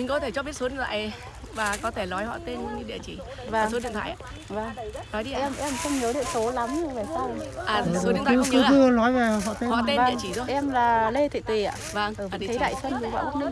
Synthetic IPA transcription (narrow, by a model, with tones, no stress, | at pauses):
mï˨ŋ̟kɔ˨˦t̪ʰe˧˩t͡ɕɔ˨˧bɓi˦˥t̚o˨˦ɗḭ˧˨t̪ʰa̰ː˧˨j | vaː˨˩kɔ˨˦t̪ʰe˧˩lɔ˨˦jhɔ̰˧˨t̪e˧n˧ɲɨ˧ɗḭ˧˨t͡ɕi˧˩ | vaː˧˩ŋso˨˦ɗḭ˧˨nt̪ʰa̰ː˧˨jʔː | vaː˧˩ŋnɔ˨˦jɗi˧˨a˧ɛ˧mʔɛ˧mxə˧wŋ͡mɲɨ˨˦ɗḭ˧˨ənso˨˦la˨˦mɲɨ˧vaː˨˩saː˧wʔaː˧˨˩ɨ˨˧˨kɨ˨˦ɨ˧˦˧nɔ˨˦jve˨˩˨ɦɔ̰˧˨t̪e˧ɔ̰˧va̰ː˧˨t͡ɕi˧˩zɔ˨˦ʔɛ˧mlaː˨˩le˧t̪ʰḭ˧˨t̪wi˨˩ʔa̰ː˧˨va˧˩ŋː˨˩va˨t̪ʰjɗa̰ː˧˨jsə˧nzɨ˨˩ɓa̰˧˨˩ɓa˧˦˥ŋ͡mni˧ŋ